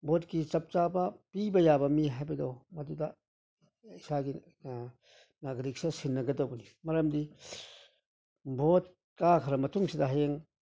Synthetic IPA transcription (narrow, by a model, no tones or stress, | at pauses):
botkit͡ʃɐp̚t͡ʃabɐpibɐjabɐmiɦajbɐdowmɐdudɐ | isaɡi | naɡɾik̚sesinːɐɡɐdɐbɐnimɐɾɐmdi | bot̚ | kakʰɐɾɐmɐtʰuŋsidɐɦeŋ